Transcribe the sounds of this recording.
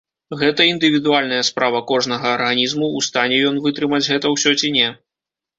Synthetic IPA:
ɣɛt̪ɐind̪ɨvʲid̪ualʲnɐjɐspɾavɐkɔʐnɐɣɐːrɣɐnʲizmuːst̪anʲɛjɔnvɨt̪ɾɨmɐd͡zʲɣɛt̪ɐwsʲɔt͡sʲinʲɛ

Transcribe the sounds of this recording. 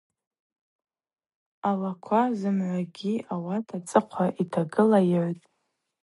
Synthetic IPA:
alakʷʰazɨmʕʷaɡʲiawatʰat͡sʼɨqʷʰaʔitʰaɡɨlajʕʷtʼ

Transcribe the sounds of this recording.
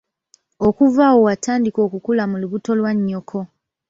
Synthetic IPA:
okuvawo̞wataːndiko̞ːkukulamuluβuto̞lwaɲːokʰo̞

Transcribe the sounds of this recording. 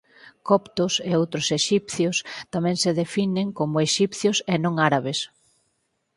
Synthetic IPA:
kɔpt̪ʊseowt̪ɾʊseʃipθjʊst̪amɛ̃ŋseðefineŋkomʊeʃipθjʊsenõŋaɾaβes

